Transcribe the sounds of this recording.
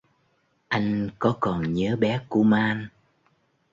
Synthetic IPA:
ʔa˧jŋ̟kɔ˨˦kɔ˨˩nɲəː˨˦ɓɛ˨˦ku˧˩əmaː˧n

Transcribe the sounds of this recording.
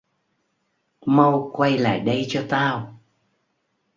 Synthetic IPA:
mə˧wkwa˧jla̰ː˧˨jɗə˧jt͡ɕɔ˧t̪aː˧w

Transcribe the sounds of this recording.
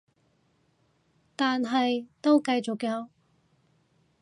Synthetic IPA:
t̪aː˨nɦɐ˨jt̪o˥wkɐ˧jt͡sʊ˨kːɛ˧ɐ˨˥

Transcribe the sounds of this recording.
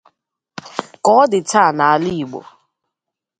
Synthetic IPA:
kɔ˨˦dɪ˨ta˦˨na˨a˨li˦i˨ɡ͡bo̰˨

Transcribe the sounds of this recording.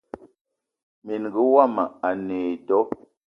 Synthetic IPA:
mi˨nɣə˨˦wa˦˨ma˨a˨neː˨tɔ˨˦

